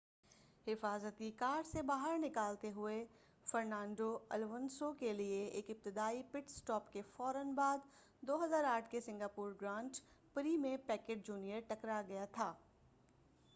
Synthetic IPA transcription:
hɪfaːzət̪ikaːɖsebaːɦəɾnɪkaːlt̪eɦʊe | fɐɾnãːɳɖoɐlʋənsokelieeːkɪp̚t̪ɪd̪aːipɪʈsʈɔːpkefɔːɾənbaːd̪ | d̪oːɦɐzaːɾaːʈʰkesɪ̃ŋɡaːpuːɾɡɾãːɳʈ | pɾimẽpɛːkeːʈ̚d͡ʒuːnijəɾʈɐkɾaɡɐjat̪ʰaː

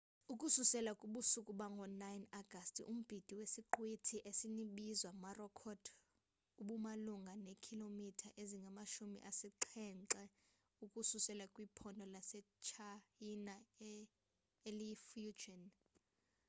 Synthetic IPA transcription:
ukʼususɛlakʼuɓusukʼuɓaŋɡʱɔnajnaɡ̥ʱastʼiʔum̩b̥ʱid̥ʱiwesiǃwitʰiʔesiniɓizwamarɔkʰɔd̥ | uɓumaluŋɡʱanekʰilomitʰaʔeziŋɡʱamaʃumḭʔasiǃʰɛnǀɛ | ukʼususɛlakʼwipʰɔndʱɔlasɛ | t͡ʃʰajina | elifud͡ʒɔn

